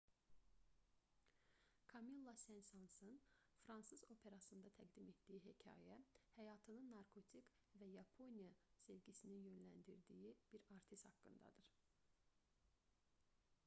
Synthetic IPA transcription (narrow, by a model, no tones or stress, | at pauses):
kʰɑmilˠːɑsænsɑnsɯnfɾɑnsɯzo̞pʰe̞ɾɑsɯnd̪ɑt̪ʰæɡd̪ime̞t̪d̪ijiɦecʰɑ̰ːjæhæjɑːt̪ʰɯnɯnːɑɾkʰo̞t̪ʰik | væjɑpʰo̞nijɑsevɟisininjø̞nlænd̪iɾd̪ijib̥iɾɑɾt̪ʰist̪hɑkːɯ̰nd̪ɑ̰d̪ɯɾ̥